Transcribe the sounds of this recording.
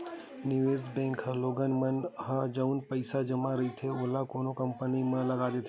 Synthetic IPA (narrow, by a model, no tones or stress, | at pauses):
nɪʋeːzbɛ̃ːŋkɦəloːɡənmɐnɦɐd͡ʒəʊnpɐɪsad͡ʒɐmaɾɐit̪ʰeoːlakoːnokɐ̃mpənimɐ̃lɐɡaːd̪et̪ʰe